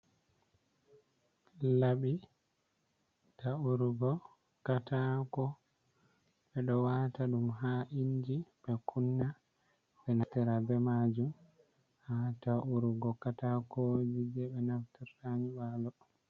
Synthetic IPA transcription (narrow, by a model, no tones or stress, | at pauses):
laɓi | tauɾuɡɔ | katakɔ | ɓɛɗɔwaːtaɗumɦaʔiɲd͡ʒiɓɛkʰunːa | ɓɛnatɛɾabɛmad͡ʒum | hataʔuɾuɡɔkatakod͡ʒid͡ʒɛɓɛnaftiɾtaɲiɓalɔ